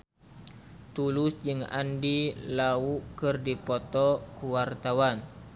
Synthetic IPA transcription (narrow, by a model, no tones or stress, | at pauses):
t̪ulʊsd͡ʒɨŋa̰ndilaukɨrdipɔt̪ɔkuwart̪awan